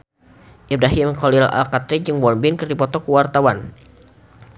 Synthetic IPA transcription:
ʔibɾaɦimkɔlila̰lkat̪ɾid͡ʒɨŋwɔnbɪnkɨrdipɔt̪ɔkəwart̪awan

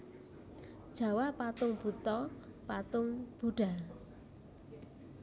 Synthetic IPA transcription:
d̥ʒ̥a̤wapat̪ʊŋb̥ṳt̪ɔpat̪ʊŋb̥ṳɖ̥a̤

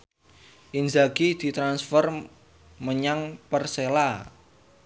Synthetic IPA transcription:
ʔind͡ʒaɡid̪̥i̤t̪ɾansfɔr | məɲaŋpərsela

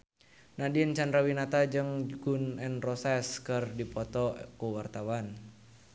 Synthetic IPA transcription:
nadiənt͡ʃandɾawinat̪ad͡ʒɨŋɡunɛnrɔsɛskərdipɔt̪ɔkuwart̪awan

